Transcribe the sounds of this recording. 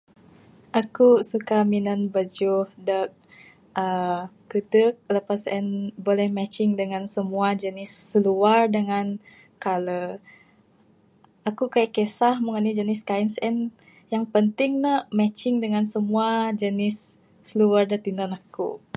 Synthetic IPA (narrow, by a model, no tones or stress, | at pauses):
ʔakusukaminənbəd͡ʒuhdək̚ | ʔəkədək̚ləpasɛnbolɛhmɛt͡ʃɪŋdəŋansəmuad͡ʒənɪsːəluardəŋan | kalə | ʔakukajaʔkesahmuŋənid͡ʒənɪskainsɛn | jaŋpənt̪ɪŋnəʔmɛt͡ʃɪŋdəŋansəmuad͡ʒənɪsː | əluardət̪inənakṵ